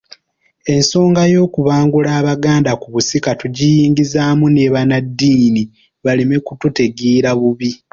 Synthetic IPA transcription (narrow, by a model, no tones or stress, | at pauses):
e̞nso̞ːŋɡajo̞ːkuβaːŋɡulaːβaɡaːndakuβusikatuɟijiːŋɡizaːmuneːβanadːiːni | βalime̞kutute̞ɡiːɾaβuβi